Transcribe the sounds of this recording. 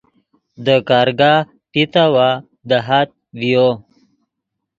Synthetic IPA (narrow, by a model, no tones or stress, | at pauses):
d̪əkɑɾɡa | pit̪awa | d̪əɦat̪̚vijo